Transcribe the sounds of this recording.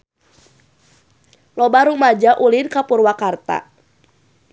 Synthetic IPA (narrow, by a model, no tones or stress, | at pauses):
lɔbaɾumad͡ʒaʔulɪnkapurwakart̪a̰